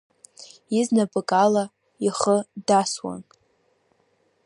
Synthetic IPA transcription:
iznabɨkʼala | iχədaswa̰n

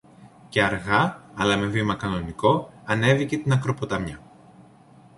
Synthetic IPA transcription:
ce̞ɐɾɣɐːlɐme̞vimɐkɐno̞niko̞ɐne̞vice̞t̪inɐkɾo̞pot̪ɐmɲɐ

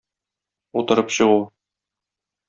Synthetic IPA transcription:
ut̪ɤ̆ɾɤpɕɤ̆ʁu

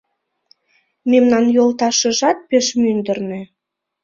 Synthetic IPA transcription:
memnɑnjolt̪ɑʃə̆ʒɑt̪̚peʃmynd̪ə̆rnø̆

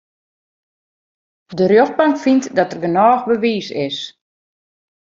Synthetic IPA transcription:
dərjoxpaŋkfintdɔtərɡənɔːxbəʋiːsɪs

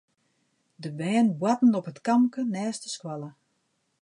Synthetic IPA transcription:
dəbɛːnbwatn̩ɔpətkamkənɛːstə̥skwalə

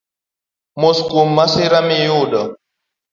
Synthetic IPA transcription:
moskumːasiɾamijuɗɔ

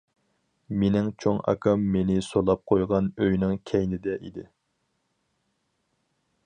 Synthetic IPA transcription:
menɪŋt͡ʃʰoŋɑ̰kʰɑmːenɪsolˠɑp̚qʰojʁɑnøjnɪŋkʲʰɛjnɪd̪ɛʔid̪ɪ

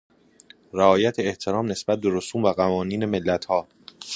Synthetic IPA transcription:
ɾæɒːjæt̪ʰeːht̪ʰe̞ɾɒːmne̞sbæt̪̚be̞ɾosuːmvæɣævɒːniːne̞me̞lːæt̪ʰhɒː

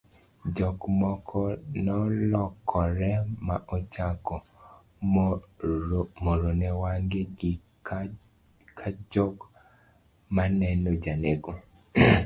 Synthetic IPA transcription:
d͡ʒɔkmɔkʰɔnɔlɔkʰːɔɾɛmaʔɔt͡ʃakɔ | moɾonɛwaŋɡeɡɪ | kʰad͡ʒɔk | manɛnɔd͡ʒaneɡo

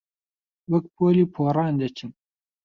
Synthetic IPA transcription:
bɐkpʰoːliːpʰoːrˤɑːnd̪ɐt͡ʃʰɨm

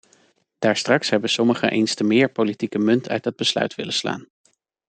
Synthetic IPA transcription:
d̥aːɹstrɑksɦɛbəsɔməχə̰ʔejnstəmɪːɹpolitikəmɵntʰœ̰ɥt̚dɑd̚bəslœ̰ɥtʋɪ̰ləsla̰ːn

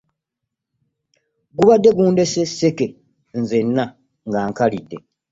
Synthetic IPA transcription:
ɡuβadːe̞ɡuːnde̞sesːe̞ke̞ | nze̞nːa | ŋɡaːŋkalidːe̞

